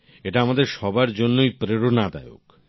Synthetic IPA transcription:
eʈaamad̪eɾʃɔbaɾd͡ʑonːojpɾeɾonad̪a̰eo̰k

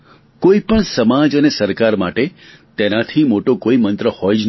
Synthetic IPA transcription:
koipəɳsəmad͡ʒənesəɾkaɾma̰ʈe | t̪enat̪ʰimoʈokoimənt̪ɾəhɔjd͡ʒn

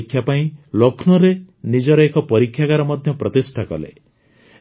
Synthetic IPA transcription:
kʰːjapaĩlokʰnɔɾe | nid͡ʒɔɾɔekɔpɔɾikʰːjakaɾɔmɔd̪ʱjɔpɾɔt̪isʈʰakɔ̰lḛ

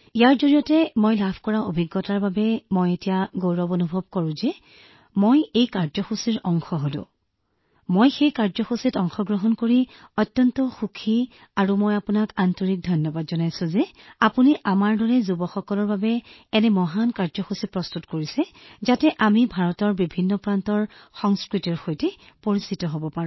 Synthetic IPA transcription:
ijaɹzoɹijɔtɛmojlabʰʱkɔɹaobʱiɡːɔtaɹbabɛmojetijaɡowɹɔbonubʱɔb̚kɔɹʊ̃zɛ | mojejkaɹzɔxusiɹɔŋxɔɦodʊ̰̃ | mojxejkaɹzɔxusitɔŋxɔɡɹɔɦɔnkoɹiɔtjɔntɔxukʰi | aɹumojapʊnakantɔɹik̚dʱɔjnjɔbadzɔnajsʊ̃zɛapuniʔamaɹdɔɹɛzubɔxɔkɔlɔɹbabɛɛnɛmɔɦankaɹzɔxusipɹɔstutkoɹisɛzatɛʔamibʱaɹɔtɔɹbibʱinːɔpɹantɔɹxɔŋskɹitɔɹxojtɛ | poɹisitɔɦobɔpaɹʊ̃

